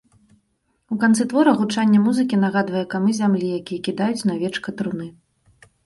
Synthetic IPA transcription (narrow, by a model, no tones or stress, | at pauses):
ukant̪sɨt̪vɔɾɐɣut͡ʂanʲːɐmuzɨkʲin̪ɐɣad̪vɐjɛkamɨzʲamlʲijakʲijɛkʲid̪ajut͡sʲnavʲɛt͡ʂkɐt̪ɾunɨ